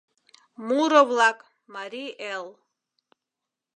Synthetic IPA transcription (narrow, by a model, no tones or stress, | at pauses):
muɾɔvlˠakʼ | maɾiʔɛlˠ